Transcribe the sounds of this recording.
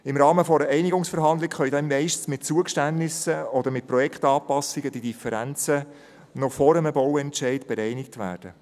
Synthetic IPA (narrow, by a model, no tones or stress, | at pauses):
ɪmɾɑːməfɔɾəɛɪnɪɡʊŋsfəɾɦɑnd̪lɪkχœjdɛnmɛɪʃtən̩smɪt̚t͡suəkʃtænːɪsəɔd̪əɾmɪt̚pɾɔjɛkχt̪ɑːpɑsɪɡəd̥̪idifəɾænt͡sə | nɔfɔɾəməbɔwɛntʃɛɪtb̥ɛɾɛɪnɪk̚tʋæ̰ːɾd̥ə